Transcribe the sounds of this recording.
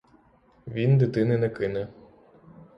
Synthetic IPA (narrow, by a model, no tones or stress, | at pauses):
ʋʲind̪ɪt̪ɪnɪnɛkɪnɛ